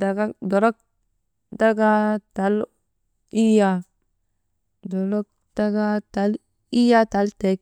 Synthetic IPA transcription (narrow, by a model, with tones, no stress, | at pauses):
da˨ɡa˦do˨ɾo˦k̚ | da˦ɡa˦ta˨˦l | i˦ja˦ | do˨lo˦k̚ | da˦ɡa˦ta˨˦l | i˦ja˦ta˨˦lte˨˦k̚